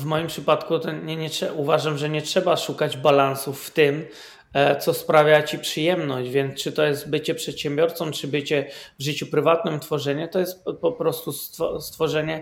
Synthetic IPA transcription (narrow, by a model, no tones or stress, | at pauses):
vmɔjimpʂɘpat̪kut̪ɔɲɛɲɛtʂɛuvaʐamʐɛɲɛtʂɛbaʂukad͡ʑbalansufːt̪ɪm | t̪sɔspɾavʲjat͡ɕipʂɨjɛmnɔɕʑd͡ʑvʲjɛnt̪st͡ʂɨt̪ɔjɛst̪̚bɘt͡ɕɛpʂɛt̪ɕɛmbʲjɔɾt̪sɔmt͡ʂɘbɘt͡ɕɛvʐɘt͡ɕupɾɘvat̪̚nɘmt̪fɔʐɛɲɛt̪ɔjɛst̪̚pɔpɾɔst̪ust̪ɔst̪fɔʐɛɲɛ